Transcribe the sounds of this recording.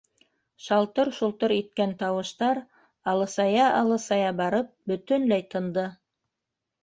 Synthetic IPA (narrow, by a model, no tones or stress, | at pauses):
ʃɑlˠt̪ɤɾʃulˠt̪ɤɾit̪̚kænt̪ɑwɤ̆ʃt̪ɑɾ | ɑlˠɤ̆sɑjɑʔɑlˠɤsɑjɑbɑɾɤp̚bɵ̆t̪ɵnlæjt̪ɤ̆nd̪ɤ